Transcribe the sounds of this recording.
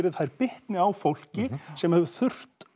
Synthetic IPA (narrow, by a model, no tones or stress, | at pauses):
ɾɪðθajɾpɪht̪nɪawfowl̥cɪsɛmhɛvʏθʏr̥tt̪